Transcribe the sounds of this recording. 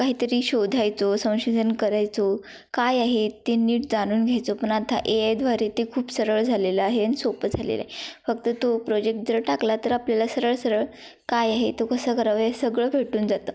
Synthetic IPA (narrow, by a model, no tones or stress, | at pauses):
kaɦiːt̪əɾiːɕod̪ʱajt͡sosə̃w̃ɕod̪ʱənkəɾajt͡so | kajaɦet̪ːeniːʈd͡zañuːnɡʱjajt͡sopəɳat̪ʰa̰ʔeajd̪ʋaɾet̪ekʰuːpsəɾəɭd͡zʱaleləaɦeanisopd͡zʱalḛla̰ɦefək̚t̪ət̪opɾod͡ʑek̚ʈ̚d͡zəɾʈaklat̪əɾapljalasəɾəɭsəɾəɭ | kajaɦet̪okəsəːkəɾaʋəjasəɡɭəːbʱeʈuːnd͡zat̪əː